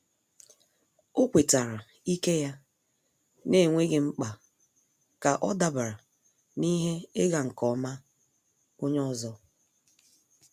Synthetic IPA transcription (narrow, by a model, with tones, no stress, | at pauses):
o˦kʷe˨ta˨ɾa˨ | i˦ke˦ja˦ | ne˦˨ŋʷe˦ɡe˨ŋ͡m̩˦k͡pa˨ | ka˨ʔɔ̰˦da˦ba˨ɾa˨ | ni˦ɦe˦ɪ˦ɡa˨ŋ̩˨kɔ˨˦ma˦ | o˦ɲ˦ɔ˦zɔ˦